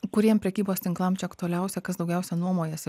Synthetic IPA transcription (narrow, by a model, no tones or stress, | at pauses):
kʊɾʲiɛmʲpʲɾʲɛkʲiːboːst̪ʲɪŋklˠɐmt͡ʃʲɛɐkt̪ʊɐlʲɛʊsʲɛkɐsd̪ɒʊɡʲɛʊsʲɛnuɔmoːjɛsʲ